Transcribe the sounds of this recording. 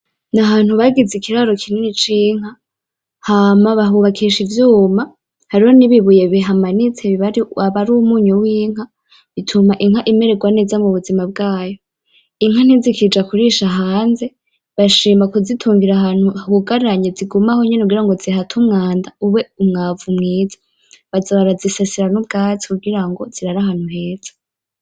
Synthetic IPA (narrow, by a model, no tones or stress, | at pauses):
naɦaːn̥huβaɡizikʰiɾaɾo̞kʰininit͡ʃiːŋ̥ɦa | hamaβaɦuβakʰiʃivjuːma | haɾihoniβiβuje̞βiɦamanit͡seβiβaɾiwaβaɾumuːɲuwiːŋ̥ha | βitʰumaʔiŋ̥haʔime̞ɾeɡwane̞ːzamuβuzimab̚ɡaːjo̞ | iŋ̥han̥izikid͡ʒakuɾiʃaɦaːnze̞ | βaʃiːmakuzitʰuːŋɡiɾaɦan̥hukuɡaɾaɲeziɡumaho̞ɲe̞neuɡiɾaŋɡozihatʰumŋaːndauwe̞umŋavumŋiːzḁ | βazaβaɾazisesiɾanub̚ɡaːt͡sikuɡiɾaŋɡo̞z̥iɾaɾaɦaːn̥huɦe̞ːz̥ḁ